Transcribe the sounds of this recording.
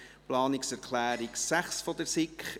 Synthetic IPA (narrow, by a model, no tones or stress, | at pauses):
plɑːnɪksɛɾkʰlæːɾiksæχsfɔd̪əɾsɪkχ